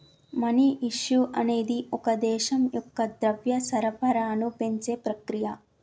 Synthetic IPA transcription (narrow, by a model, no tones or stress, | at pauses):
mɐniʔiʂjuʔɐne̞ːd̪iʔɔkɐd̪ɛːʃɐmjɔkːɐd̪ɾɐʋjɐsɐɾɐpɐɾaːnupe̞ɲt͡ʃeːpɾɐkɾijɐ